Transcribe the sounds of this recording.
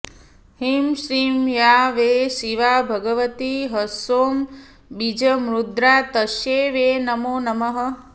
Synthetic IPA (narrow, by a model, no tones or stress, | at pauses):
himsiːmjaːʋeːsiʋaːbʱɐɡɐʋɐt̪iɦɐsoːm | bid͡ʒɐmɾud̪ɾaːt̪ɐʃjeːʋeːnɐmoːnɐmɐɦɐ̆